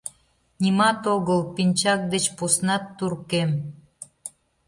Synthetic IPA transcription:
nʲimɑt̪oɣəlpinʲt͡ɕɑk̚d̪et͡ɕposnɑt̪ːurkem

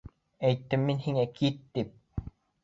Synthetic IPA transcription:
ɛjt̪ːimːinhiŋɛkiːt̪ːip̚

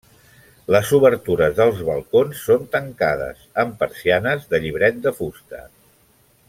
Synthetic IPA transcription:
ləzuβəɾt̪uɾəzðəlˠzβəlˠkonsːont̪əŋkað̞ə̰səmpəɾsianəzðəʎiβɾɛt̪̚d̪əfust̪ə̰

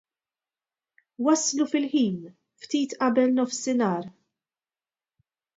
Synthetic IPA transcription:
wɐslufɪlħiːn | ft̪iːt̪ʔɐbɛlnɔfsɪnɐːɾ

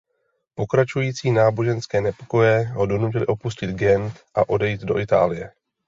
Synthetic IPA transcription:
po̞kɾat͡ʃujiːt͡siːnaːbo̞ʒɛnskɛːnɛpo̞̥ko̞jɛɦo̞do̞nucɪlɪʔo̞puscɪd̪ɡɛnt̪ʔaʔo̞dɛjiːd̪do̞ʔɪt̪a̰ːlɪjɛ

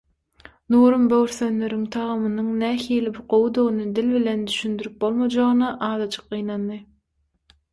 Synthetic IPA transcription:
nuːɾumbøwɾθønːøɾyŋt̪ʰɑʁɯmɯnɯŋnæːhiːlibuqowud̪onɯd̪ilβile̞nd̪yʃynd̪yɾyp̚bo̞lˠmɑd͡ʒɑʁɯnɑʔɑːd̪ɑt͡ʃʰɯ̥q̚ɢɯjnɑnːɯ

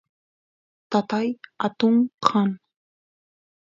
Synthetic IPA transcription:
t̪at̪ajat̪ʊŋqʰɑn

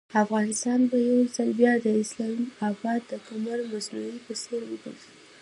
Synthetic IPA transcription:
afɣɑnɪst̪ɑnbajawzalbjɑd̪əɪslɑmafɑt̪̚d̪əkamaɾmaznuipəseɾwiɡṵ

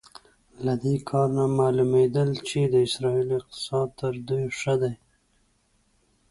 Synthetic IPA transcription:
lad̪ekʰɑɾnamɑlumed̪əlt͡ʃed̪əɪsɾɑiliɪq̚t̪ɪ̥sɑd̪̚t̪əɾd̪ujʂəd̪aj

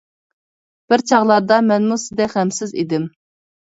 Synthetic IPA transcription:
b̥ɪɾt͡ʃʰɑʁlˠɑɾd̪ɑmɛnmusɪzd̪ɛkʲχɛmsɪzḭd̪ɪm

